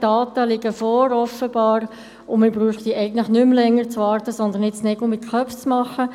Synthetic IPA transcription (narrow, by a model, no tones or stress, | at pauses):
d̥ɑːt̪əlɪɡəfɔːɾɔfəbɑːɾ | ʊmɪbɾuːχd̥̪iːʔɛɪɡən̩t̪ləχnʏmlɛŋːəɾt͡sʋɑːɾtəsɔnd̪ənɪtt͡snɛɡl̩mɪt̪kʰχœft͡smɑχːə